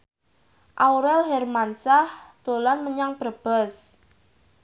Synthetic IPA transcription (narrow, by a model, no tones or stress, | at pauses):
ʔawɾɛlɦɛrmansahd̪̥o̤lanməɲaŋb̥ərb̥ɛs